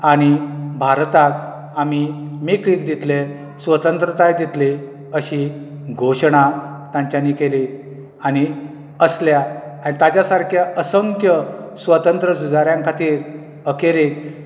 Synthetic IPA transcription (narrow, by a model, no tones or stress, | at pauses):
aɽ̃ibʱaɾt̪ak̚ | amimikɭiːkd̪it̪le | sʋət̪ənt̪ɾət̪ajd̪it̪le | əɕi | ɡʱoɕɳ̃at̪jãɲt͡ɕanikeli | añi | əsljaːnit̪at͡ɕjasaɾkʰjaʔəsəŋkjəsʋət̪ənt̪ɾəsud͡zaɾjãŋkʰat̪iːɾ | əkeɾek